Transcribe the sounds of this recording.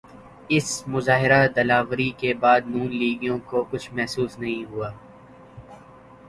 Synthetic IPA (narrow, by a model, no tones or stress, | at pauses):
ɪsmʊzaːɦɪɾad̪ɐlaːʋɾikebaːd̪nuːnliːɡijõkokʊt͡ʃʰmɛɦsuːsnɐɦĩɦuaː